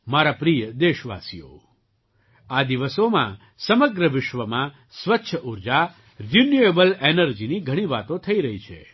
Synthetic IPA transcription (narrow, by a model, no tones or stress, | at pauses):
maɾapɾijəd̪eʃʋa̰sḭjo̰ | ad̪iʋəsomã̰ | səməɡɾəʋɪʃʋəmã | sʋətːʃʰəʔuɾd͡ʒa | ɾunjuebəlenəɾd͡ʒiniɡʱəɽ̃ĩʋat̪õt̪ʰəiɾəɦit͡ʃʰḛ